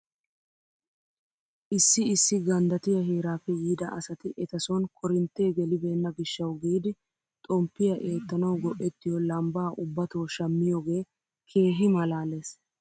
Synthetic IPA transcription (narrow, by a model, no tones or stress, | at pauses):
ʔɪsːɪɪsːɪɡɐnd̪ɐt̪ɪjɐɦeːɾaːfɛjiːd̪ɐʔɐsɐt̪ɪʔɛt̪ɐsɔnkʰɔɾɪnt̪ːeːɡɛlɪbe̞ːnːɐɡɪʃːɐwɡiːd̪ɪ | t̪ʼɔmpːɪjɐʔe̞ːt̪ːɐnɐwɡɔʔːɛt̪ːɪjɔlɐmbaːʔʊbːɐt̪oːʃɐmːɪjɔɡe̞ː | kʰe̞ːɦɪmɐlaːleːs